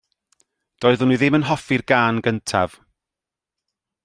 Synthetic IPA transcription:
d̥ɔːɨðʊnuːðɪmənɦɔfɪrɡaːnɡəntʰa̰v̥

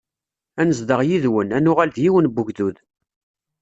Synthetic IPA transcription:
ænəzd̪əʁjiðwənænʊʁælðjiwənbʊʝðuð

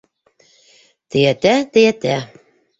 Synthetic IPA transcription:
t̪ɘ̆jæt̪æt̪ɘjæt̪æ

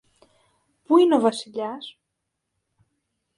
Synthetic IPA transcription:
puineo̞vɐsiʎɐs

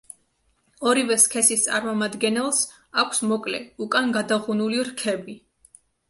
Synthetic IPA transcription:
ɔɾivɛskʰɛsist̪sʼaɾmɔmad̪ɡɛnɛlˠs | akʷʰsmɔkʼlɛ̰ukʼanɡad̪aʁunuliɾkʰɛbi

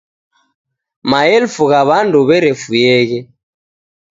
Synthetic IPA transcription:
maɛlfuɣaβanduβɛɾɛfujɛɣɛ

